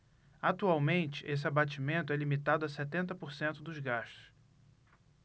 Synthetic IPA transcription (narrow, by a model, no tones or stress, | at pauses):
at̪uawmẽnt͡ʃɪ̥ʔes̬ɪabat͡ʃimẽnt̪ʊɛlimit̪ad̪ʊasɛt̪ẽnt̪ɐpoɾsẽnt̪ʊd̪ʊzɡaʃt̪ʊ̥s